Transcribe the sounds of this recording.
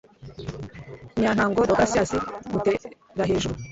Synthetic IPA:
ɲan̥haːŋɡodoɡasiasimute | ɾaɦeːʒuɾu

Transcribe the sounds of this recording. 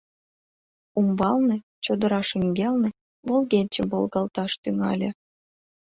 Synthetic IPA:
umbɑlne | t͡ɕod̪ə̆ɾɑʃiŋɡʲelnĕ | βolɣenʲt͡ɕə̆mbolˠɣɑlt̪ɑʃt̪yŋɑ̰lʲĕ

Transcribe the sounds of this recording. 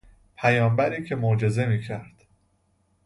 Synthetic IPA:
pʰæjɒːmbæɾiːcʰe̞mod͡ʒe̞ze̞miːcʰæɾd̪̥

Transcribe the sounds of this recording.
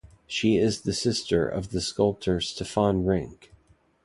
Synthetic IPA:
ʃiɪzðɨsɪstʰə̰˞ʔʌ̰vðɨskʌlˠp̚tʰə˞z̥tʰɨfãnɹɪ̃ŋk

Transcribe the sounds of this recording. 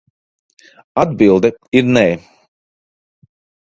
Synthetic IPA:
ad̪bilˠd̪ɛiɾnɛː

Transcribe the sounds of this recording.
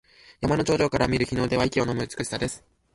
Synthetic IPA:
jamano̞t͡ɕo̞ːʑo̞ːkaɾamʲiɾɯ̟çʲino̞ːd̪e̞βaikʲio̞no̞mɯ̟ɯt͡sɨ̥kɯ̟ɕi̥sad̪e̞sɨ̥

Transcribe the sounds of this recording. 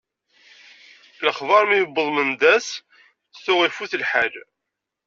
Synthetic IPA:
ləχvɑɾˤmijbːəðˤmənd̪æs | θʊʁifuθlħal

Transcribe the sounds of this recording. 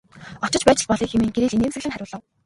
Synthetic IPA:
ɔt͡ɕɞ̆t͡ɕpæːt͡ɕɪ̆ɮpɔɮiːkxemeːŋɡeɾeːɮineːmsɘ̆ɣɮɘ̆ŋχæɾʲʊːɮə̆w

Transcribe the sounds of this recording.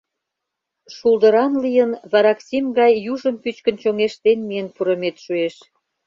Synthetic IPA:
ʃuld̪ə̆ɾɑnlijənβɑɾɑksimɡɑjːuʒəmpyt͡ɕkə̆nt͡ɕoŋeʃt̪enmijənpuɾə̆met̪ʃueʃ

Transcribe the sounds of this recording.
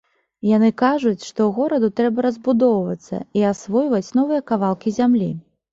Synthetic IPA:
jan̪ɨkaʐut͡sʲʂt̪ɔɣɔɾɐd̪ut̪ɾɛbɐɾɐzbud̪ɔwvɐt̪sːɐ̰iasvɔjvɐt͡sʲnɔvɨjɐkavalˠkʲizʲamlʲḭ

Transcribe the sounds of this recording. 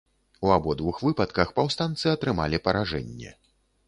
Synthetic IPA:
uabɔd̪vuxvɨpɐt̪kɐxpawst̪ant̪sɨɐt̪ɾɨma̰lʲipɐɾaʐɛ̰nʲːɛ̰

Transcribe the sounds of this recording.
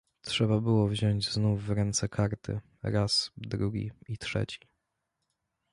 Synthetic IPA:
tʂɛbabɘwɔvʑɔɲd͡ʑznufːɾɛnt̪sɛkʰaɾt̪ɘ̰ | ɾasd̪ɾuɡʲḭitʂɛ̰t͡ɕi̥

